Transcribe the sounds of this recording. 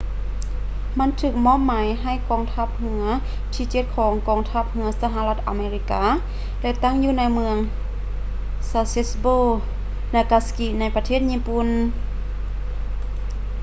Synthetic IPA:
ma˧˥˨nt̪ʰɯː˧˩k̚mɔː˧˥˨mːaː˨˦jɦa˧˩jkɔː˧˩ŋt̪ʰa˧˥˩p̚hɯ˧˦ɐ | t̪ʰiː˧˩t͡ɕe˧˥t̪̚kʰɔː˩˦ŋkɔː˧˩ŋt̪ʰa˧˩p̚hɯ˧ɐsa˧ɦa˧la˧t̪̚ʔa̰˧˨meː˧ɾi˧kaː˧˥ | daː˧˩t̪a˧˥˨ŋjuː˧na˧˥jmɯ˧əŋ | saː˧se˧sboː˧˩ | naː˧˩ka˧ski˧na˧˥jpa˧t̪ʰeː˥˩t̪̚ɲiː˧˥˨pu˧˨n

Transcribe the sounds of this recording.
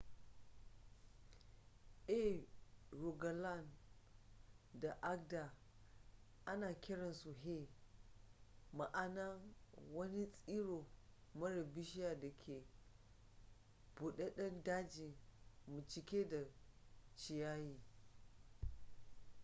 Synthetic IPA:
ʔe˦ | ɾu˨ɡa˨la˦˨n | da˨ʔa˦ɡ̚da˨ | ʔa˦naː˨kʲɪ˦ɽɐ˨nsu˨ɦe˦˨ | ma˨ʔa˦na˦wɐ˦ni˦sʼiː˦ɽo˨mɐ˦ɽɐ˨bɪ˦ʃɪ˦ja˨da˨kʲʰe˨ | b̥u˨ɗe˦ɗɐ˦ndaː˦d͡ʒi˨mu˨t͡ʃɪ˨kʲe˦da˨t͡ʃɪ˨jaː˦jiː˨

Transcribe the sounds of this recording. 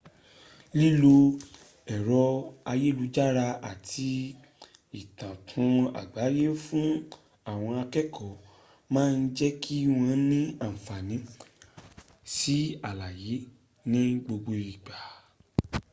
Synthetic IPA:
li˦lo˧ | ɛ˨ɾɔ˧a˧je˦˨lu˧d͡ʒa˦ɾa˧a˨tʰi˧ | i˨tã˨tʰũ˨˧a̰˨ɡ͡ba˨˦je˦fũ˦ | a˦˨w̃ɔ̃˧a˧kɛ˦kʰɔ˨ | mãː˦˧n̩˦d͡ʒɛ˦kʰi˦w̃ɔ̃˧nĩ˦a˦˨m̩˨fa˨nĩ˨˦ | si˦a˨la˨je˨˦ | nĩ˦ɡ͡bo˧ɡ͡bo˧i˨ɡ͡ba˨

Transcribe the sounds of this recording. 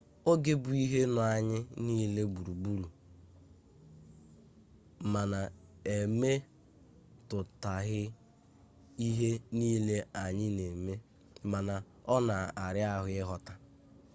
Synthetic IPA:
o˦ɡe˦bu˨i˦ɦe˦nʊ˨a˨ɲɪ˦niː˦le˦bu˨ɾu˨bu˦ɾu˨ | ma˨na˨e˨me˦ | tʊ˨ta˨ɣɪ˦ | i˦ɦe˦niː˦le˦a˨ɲɪ˦ne˨me˦ | ma˨na˨ | ɔ˦na˨a˨ɾɪ˦a˦ɦʊ˨˦ɪ˦ɦɔ˨ta˨

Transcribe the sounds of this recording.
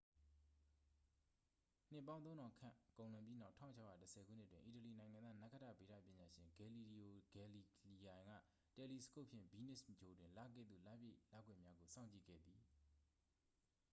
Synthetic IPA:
n̥ɪ˦˨pːã˦ʊ̃nõ˦nɔ̃˨kʰã̰˦˨kõ˨ʊ̃lʊ̃˨mpji˦na˦ʊʔtʰä̃˦˨ʊ̃t͡ɕʰa˦˨ja̰˦˨təsʰɛ˨ɡṵ˦˨n̥ɪ˦˨twɪ̃˨ʔi˨təli˨nã˨ɪ̃ŋã˨ndða˦na˦kʰə˦tä̰˦˨be˨ɾä̰˦˨pjɪ̃˨ɲa˨ʃɪ̃˨ŋɡɛ˨li˨li˨o˨ɡɛ˨li˨li˨jã˨ɪ̃ŋɡä̰˦˨ | tɛ˨li˨sə̥ko˦ʔpʰjɪ̰̃˦˨mbi˦˨nɪ˦˨smət͡ɕʰo˨dwɪ̃˨nla̰˦˨ɡɛ̰˦˨d̪ðṵ˦˨la˦˨bjḛ˦˨la̰˦˨ɡwɛ̰˦ʔmja˦ɡo˨sã˦ʊɲt͡ɕḭ˦˨ɡɛ̰˦˨d̪ði˨

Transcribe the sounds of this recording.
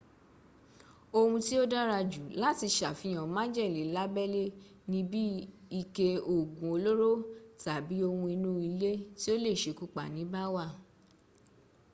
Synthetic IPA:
o˧hũ˧ti˦o˦da˦ɾa˧d͡ʒu˨la˨˦ti˧ʃa˨fĩ˧j̃ã˨mã˦d͡ʒɛ˦˨li˨la˦bɛ˦le˦ | nĩ˦bi˦ | i˧ke˧o˨ɡũ˨o˧lo˦ɾo˦ta˨bi˨˦o˧hũ˧i˧nũ˦i˧le˦ti˦o˦le˦˨ʃe˨ku˦k͡pa˦˨nĩ˨˦ba˦wa˦˨

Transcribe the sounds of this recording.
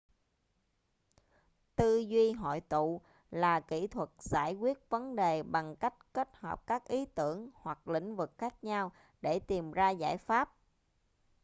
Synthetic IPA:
t̪ɨ˧zwi˧ɦɔ̰˧˨jt̪ṵ˧˨ | laː˨˩kḭ˧˥t̪ʰwə˨˩t̚z̥aː˧˩jkwi˦˥ət̚və˨˦nɗe˨˩ɓa˨˩ŋka˦˥jk̟̚ke˦˥t̚həː˨˩p̚kaː˦˥k̚ʔi˨˦t̪ɨ˧˩əŋhwa˨˩k̚lḭ̈˧˥ŋ̟vɨ˨˩k̚xaː˦˥k̚ɲa˧w | ɗe˧˩t̪i˨˩mzaː˧za̰ː˧˥˩jfaː˦˥p̚

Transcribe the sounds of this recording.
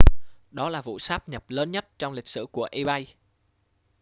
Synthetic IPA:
ɗɔ˨˦laː˨˩vṵ˧˨saː˦˥p̚ɲə˨˩p̚ləː˨˦nɲə˦˥t̚t͡ɕɔ˧wŋ͡mlï˨˩k̟̚sɨ̰˧˩ku˧˩əʔi˧ɓa˧j

